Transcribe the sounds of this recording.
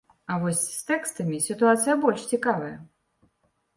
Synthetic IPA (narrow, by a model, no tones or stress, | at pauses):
ɐvɔsʲst̪ɛkst̪ɐmʲisʲit̪uat̪sɨjɐbɔlʲʂt͡sʲikavɐjɐ